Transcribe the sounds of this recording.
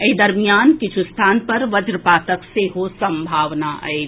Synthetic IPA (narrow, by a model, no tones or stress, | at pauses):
eid̪ɐɾmijaːnkɪt͡ʃʰust̪ʰaːnpɐɾʋɐd͡ʒɾəpaːt̪əkseɦosɐ̃mbʱaːʋnaʔə̰e